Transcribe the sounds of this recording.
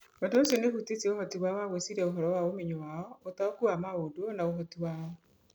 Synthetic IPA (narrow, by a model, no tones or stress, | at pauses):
odosonexutet͡siohɔtiβwawaβwesiɾeoɦɔɾɔwaomiɲowaːɔotaokuamaodoonaoɦɔtiwaːɔ